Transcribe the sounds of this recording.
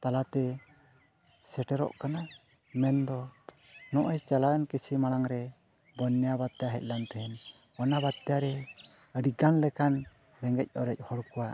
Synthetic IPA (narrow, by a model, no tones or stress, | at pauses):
t̪alat̪ɛ | sɛʈɛɾɔ̰ʔkana | mɛnd̪ɔ | nɔʔɔjt͡ʃalajɔnkəsimaɽ̃aŋɾɛ | bɔnːɛjabat̪ːɛjaɦɛc̪̚lant̪ɛhɛn | ɔnabat̪̚t̪ːɛjaɾɛ | əɖiɡanlɛkan | ɾɛŋɡɛc̚ˀɔɾɛc̚hɔɽkɔwa